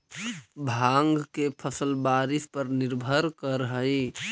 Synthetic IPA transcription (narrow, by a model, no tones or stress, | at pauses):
bʱaŋɡkepʰəsəlbaːɾɪspəɾnɪɾbʱəɾkəɾɦəi